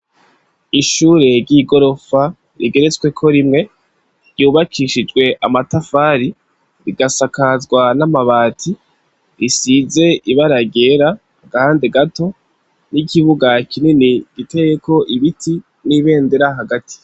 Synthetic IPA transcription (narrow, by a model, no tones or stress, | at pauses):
iʃuːɾe̞ɾɟiɡo̞ɾo̞fa | ɾḭɡe̞ɾe̞t͡swe̞kʰo̞ɾimŋe̞ | ɾjuːβakʰiʃid͡ʒɡwe̞ʔamatafaːɾi | ɾiɡasakazɡwanamaβaːtʰi | ɾisize̞ʔiβaɾaɡe̞ːɾa | hːɡahaːnde̞ɡato̞ | nikiβuɡakininiɡ̥ite̞jekʰo̞ʔiβitʰi | niβe̞ːnde̞ɾaɦaɡati̥